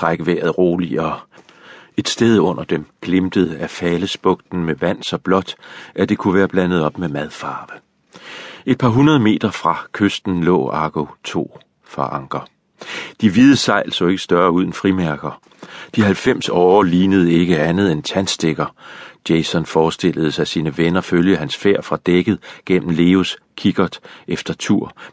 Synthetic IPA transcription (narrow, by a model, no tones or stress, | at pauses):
ʁaɡ̥əʋḛːɐðˠʁo̝ːliɒ | e̝d̥sd̥eð̞ˠɔ̽n̰ɐd̥emɡ̥lemd̥əð̩ˠəæfɛːləsb̥ɔ̽ɡ̥̚d̥n̩meʋæn̰sɒ̽b̥lɒ̽d̥ʔæd̥e̝kʰuʋæːɐb̥lænəð̞̩ˠɒ̽b̥memæð̞ˠfɑ̈ːʋə | e̝d̥̚pʰɑ̈ɦunɐðˠəme̝̰ːd̥ɐfʁɑ̈kʰøsd̥n̩lɔ̰̽ːɑɡ̥ot͡sʰo̝̰ː | fɑ̈ʔɑ̈ŋɡ̥ɐ | d̥iʋiðˠəsɑ̈ɪ̰lsɒe̝ɡ̥ə̥sd̥ɶɐuð̞ˠənfʁimæɐɡ̥ɐ | d̥iɦælfem̰sɒːliːnəð̞̩ˠəe̝ɡ̥əænð̞ˠent͡sʰænsd̥eɡ̥ɐd̥jeɪsɒnfɒːsd̥e̝l̰əð̩ˠəsɑ̈ɪsiːnəʋenɐføljəhænsfeɐ̰fʁɑ̈d̥eɡ̥əð̩ˠɡ̥em̰m̩le̝ːos | kʰiɡ̥ɐd̥efd̥ɐt͡sʰuɐ̰